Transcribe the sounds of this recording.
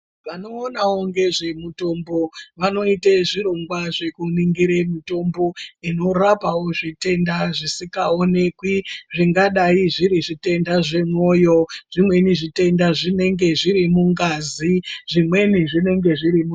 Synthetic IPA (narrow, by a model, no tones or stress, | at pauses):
ʋanoːnawoŋɡe̞ʐe̞muto̞mbo̞ʋano̞iteʐiɾo̞ŋɡwaʐe̞kuniŋɡiɾemito̞mbo̞ino̞rapawo̞ʐite̞ndaʐisikaone̞kwiʐiŋɡaɗaiʐiɾiʐite̞ndaʐe̞mwo̞jo̞ʐ̥imwe̞niʐite̞ndaʐine̞ŋɡe̞ʐiɾimuŋɡaːziʐ̥imwe̞niʐine̞ŋɡe̞ʐiɾimu